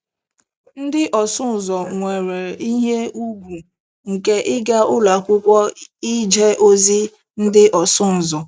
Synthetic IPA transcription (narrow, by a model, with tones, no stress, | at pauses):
n̩˦dɪ˦ʔɔ˨sʊ˦˨zɔ˨ŋʷe˨ɾe˨i˦ɦe˦u˦ɡʷu˨ | ŋ̩˨ke˦ʔɪ˦ɡa˦ʔʊ˦la˨kʷʊ˦kʷɔ˦i˦d͡ʒe˦ʔo˦zi˦ | n̩˦dɪ˦ʔɔ˨sʊ˦n̩˨zɔ˨